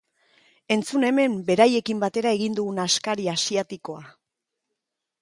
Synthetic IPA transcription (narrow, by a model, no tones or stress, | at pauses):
e̞nt͡sune̞me̞mbe̞ɾaje̞kimbat̪e̞ɾae̞ɣind̪uɣunaskaɾiasiat̪iko̞a